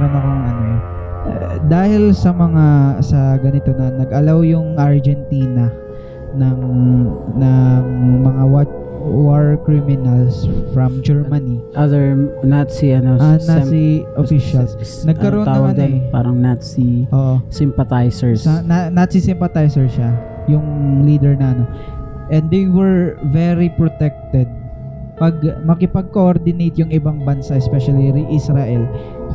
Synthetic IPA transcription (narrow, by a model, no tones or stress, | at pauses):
ɾɐnɐkoŋɐno | d̪aːhɪlsɐmɐŋasɐɡɐnɪt̪onɐnɐɡɐlawjʊŋʔɐɹd͡ʒɛnt̪iːnɐ | nɐŋ | nɐŋmɐŋawa | waɹkɾimɪnɐlsfɾɐmd͡ʒɛɹmaniʔɐðɛɹnat̪siʔɐnosɐnasiʔofiʃɐls | nɐɡkːɐɾoont̪aɐwɐɡɐnd̪ɐnpaːɾɐŋnat̪siʔoːʔosɪmpɐt̪ajsɛɹsɐnanɐt̪sisɪmpɐt̪ajsɛɹʃa | jʊŋliːd̪ɛɹnɐʔɐno̞ | ʔɛ̃nd̪d̪ejwɛɹvɛɾipɹot̪ɛk̚t̪ɛd̪̚ | pɐɡ̚mɐkɪpɐɡ̚koʔoɾd̪ɪnejt̪jʊŋɪbaŋbɐnsaʔɛspɛʃɐliɾiʔisɾaʔɛl